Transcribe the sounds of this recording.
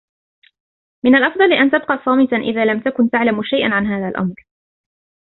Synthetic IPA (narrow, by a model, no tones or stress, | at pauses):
mɪnalʔɑfd̪ˤɑlɪʔant̪ab̚qɑːsˤɑːmɪt̪aʔɪ̰ðaːlamt̪akʊnt̪aʕlamʃajʔanʕanɦaːðalʔɑ̰mɾ